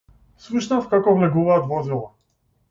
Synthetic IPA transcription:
slˠuʃnafkakɔvlɛɡuvaːt̪vɔzɛlˠa

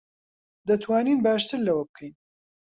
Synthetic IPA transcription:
d̪ɐt̪ʰwaːniːnbaːʃt̪ʰɨɾlɐwɐbɨkʰɛjn

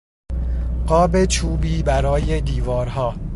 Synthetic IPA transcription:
ɢ̥ɒːbe̞t͡ʃʰuːbiːbæɾɒːje̞d̪iːvɒːɾɦɒː

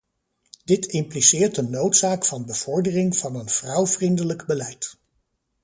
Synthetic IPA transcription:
d̥ɪtɪmplisɪːɹtənːowtsaːkfɑnbəv̥ɔɹdərɪŋv̥ɑnənv̥rʌwvrindələɡbəlɛjt

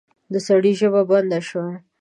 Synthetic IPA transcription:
d̪əsaɽiʒəbaband̪aʃwa

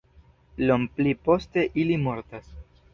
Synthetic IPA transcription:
lomplipo̞ste̞ʔilimo̞ɾtas

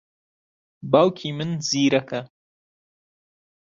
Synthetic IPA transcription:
baːwkʰiːmɨnziːɾɐkʰɐ

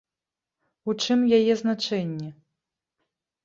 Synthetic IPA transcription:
ut͡ʂɨmjajɛznat͡ʂɛnʲːɛ

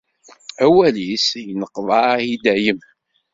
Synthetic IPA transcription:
æwælisjənəqːðˤɑid̪æjəm

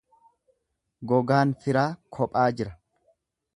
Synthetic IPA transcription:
ɡɔɡaːnfɪɾaːkʰɔpʼaːd͡ʒɪɾɐ

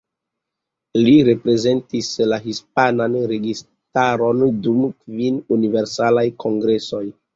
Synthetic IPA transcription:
liɾe̞pɾe̞ze̞ntislaɦispananɾe̞ɡis | taɾo̞ndumkvinunive̞ɾsalajkʰo̞ŋɡɾe̞so̞j

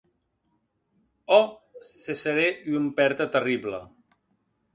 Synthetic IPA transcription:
ɔseseɾeiumpɛɾt̪ət̪əriblə̰

